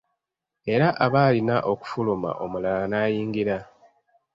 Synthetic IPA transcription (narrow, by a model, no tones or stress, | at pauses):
e̞ɾaʔaβaːlinaʔo̞ku̥fuluma̰ʔo̞mulalanaːjiːŋɡiɾa